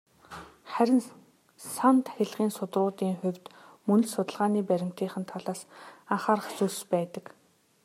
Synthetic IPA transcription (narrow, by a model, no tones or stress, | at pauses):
χæɾʲɪ̆n | sant̪xʲeɮʁiːnsʊt̪rʊːt̪iːŋχʊwʲt̪ | mɵn̆t͡ɕsʊt̪ə̆ɮʁaːniːpæɾʲɪ̆m̥t̪iːχɘ̆nt̪ʰaɮaːsaɴχaːɾə̆χt͡suɮspæːt̪ə̆k